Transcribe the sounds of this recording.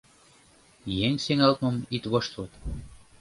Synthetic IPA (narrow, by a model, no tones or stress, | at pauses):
jeŋseŋɑlt̪məmit̪βoʃt̪lot̪